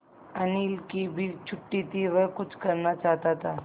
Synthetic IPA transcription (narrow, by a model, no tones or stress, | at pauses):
ənilkibʱit͡ɕʰuʈːit̪iʋəɾkut͡sʰkəɾnat͡ʃaɦt̪aɦt̪a